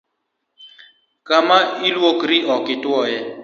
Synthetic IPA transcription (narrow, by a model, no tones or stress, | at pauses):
kamailwokɾiʔɔkɪtwɔjɛ